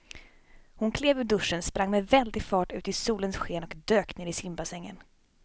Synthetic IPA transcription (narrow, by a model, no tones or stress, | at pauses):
hʊnkʰleːvɵɖɵʂːənspɾaŋːmɛvɛld̪ɪɡfɑːʈʉ̟ːt̪ɪsuːlənsɧeːnɔkd̪øːkneːɾɪsɪmbasɛŋːə̰n